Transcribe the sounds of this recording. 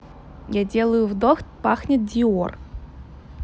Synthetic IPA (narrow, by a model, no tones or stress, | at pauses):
jad͡zʲɛlˠəjʊvd̪ɔxt̪ʲpaxnʲɐt̪̚ʲdʲiɔr